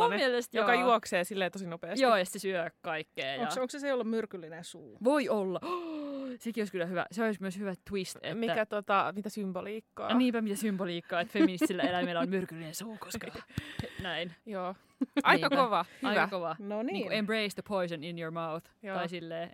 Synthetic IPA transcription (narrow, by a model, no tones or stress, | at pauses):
muommielest̪jokɑjuɔkseːsilːeːt̪osinopeːsjoːjɑst̪sesyøkkɑikːeːjoŋɑoŋkseseolːummyrkylːinẽnsuːʋoiolːɑ | sekioˑiskylːˑæhyʋæ̰seolismøshyʋæt̪wist̪ḛmiːææt̪ot̪ɑmit̪æsymboliːkːɑ̰ːniːmpæmit̪æsymboliːkːɑːet̪femmːinist̪ilːæelæmelːæommyrkylːinẽnsuːkoskɑ | næinjoː | ʔɑikɑkoʋɑɑiæɑkoʋɑnonniːkuembɹeisðəpʰoisəninjoɹmawθ | ɑisilːeː